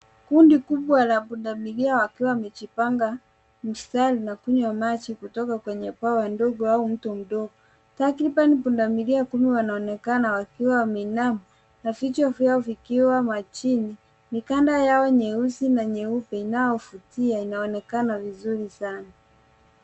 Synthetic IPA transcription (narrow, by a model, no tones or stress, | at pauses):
kundikuɓwalapundamiliawakiwamɛt͡ʃipaŋɡa | m̩stalinakuɲwamat͡ʃikutɔkakwɛɲɛpawandɔɡɔaum̩tɔm̩ɗɔɡɔ | takɾiɓanipundamiliakumiwanaɔnɛkanawakiwawmɛnamɔ | nafit͡ʃɔfjaɔvikiwamat͡ʃini | mikandajaɔɲɛusinaɲɛupɛinajɔfutiainaɔnɛkanavizuɾisana